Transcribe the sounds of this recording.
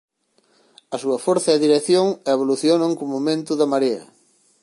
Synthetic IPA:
ɐsuɐfoɾθɐeðiɾeθjoŋeβ̞oluθjonaŋkomomẽnt̪ʊðɐmaɾeɐ̰

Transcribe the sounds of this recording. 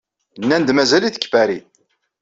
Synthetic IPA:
nːænd̪mæzæliθə̥kːfæɾi

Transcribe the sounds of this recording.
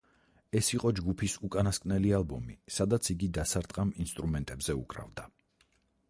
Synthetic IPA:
ɛsiqʼɔd͡ʒɡupʰisukʼanaskʼnɛlialˠbɔmisad̪at̪sʰiɡid̪asaɾt̪ʼqʼaminst̪ʼɾumɛnt̪ʼɛbzɛṵkʼɾa̰vd̪a

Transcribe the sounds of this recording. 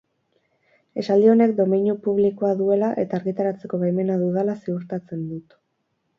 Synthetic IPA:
e̞sald̪io̞ne̞k̚d̪o̞miɲupuβ̞liko̞aðue̞laʔe̞t̪aːɾɣit̪aɾat͡se̞ko̞βejme̞naðuðalasiuɾt̪at͡se̞nd̪ut̪

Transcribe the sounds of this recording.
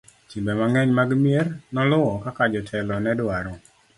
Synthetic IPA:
t͡ʃimbɛmaŋɛɲmaɡmiernɔlʊɔkakad͡ʒɔtʰɛlɔnɛdwaɾɔ

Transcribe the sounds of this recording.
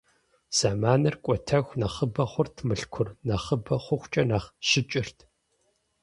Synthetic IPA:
z̥aːmaːnɐrkʷʼɔtʰɐxʷnɐχəbɐχʷʊrtʰmɨɬkʷʰʊrnɐχəbɐχʷʊxʷt͡ʃʼɐnaːχʃɪt͡ʃʼɪrtʰ

